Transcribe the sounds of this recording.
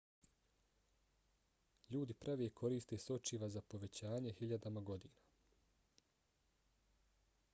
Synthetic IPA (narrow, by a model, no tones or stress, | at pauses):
ʎuːd̪ipɾʔaʋjekʰo̞ɾiːst̪eːso̞t͡ʃiʋazapo̞ʋe̞t͡ɕaːɲe̞hiʎad̪amaɡo̞d̪iːna